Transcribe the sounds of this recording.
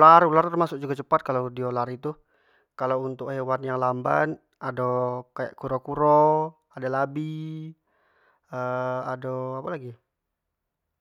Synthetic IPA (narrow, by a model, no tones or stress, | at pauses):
laɾulart̪ərmasʊk̚d͡ʒuɡat͡ʃəpat̪̚kalawdiolaɾit̪u | kalawunt̪ʊkhewanjaŋlamba̰n | adokaja̰ʔkuɾɔkuɾo | adalabi | əadoapalaɡi